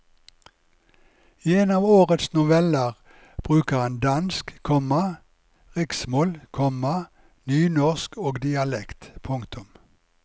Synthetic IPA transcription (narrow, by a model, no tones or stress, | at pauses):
iːeːnɑːʋoːʁət̪snʊʋɛləʁ | b̥ʁʉːkəhɑnd̪ɑnskkʰɔmɑ | ʁɪksmoːlkʰɔmɑ | nyːnɔʁskʰoːɡd̪ɪɑlɛkt̪pʰʊŋkt̪ʊm